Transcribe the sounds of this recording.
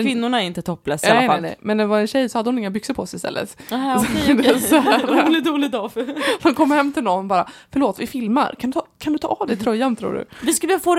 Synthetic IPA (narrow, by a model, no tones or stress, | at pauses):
vɪnːʊɳaɛɾɪnt̪ət̪ʰɔpːlɛst̪alːaalɛ̰jmɛnːd̪ɛvaɾɛnɕɛjsɔhad̪ːəhʊnɪŋːabʏksəɾpʰɔsɛɪst̪ɛ̰lːə̰t̪ | d̪sɛɛlɪt̪uːlɪɡd̪ɔfhankʰɔmːɾhɛmːt̪ʰɪlnɔnːɔbɑːɾafœɾɭoːt̪vɪfɪlma̰ɾkʰand̪ɵt̪ʰɑkʰand̪ɵt̪ʰɑ̰ːvd̪ɛt̪ʰɾœjːant̪ʰɾṵːɖɵ̰vɪsklbafoːɾ